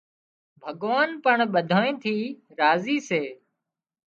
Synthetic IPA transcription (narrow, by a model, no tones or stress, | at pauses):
bʱəɠʋaːnpəɳɓəd̪ʱaːẽːt̪ʰiːɾaːziːseː